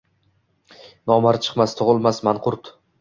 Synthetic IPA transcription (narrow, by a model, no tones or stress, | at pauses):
nɒmaɾt͡ʃʰɨ̥qmast̪ʰʊʁɨlˠmasmanqʰʊɾt̪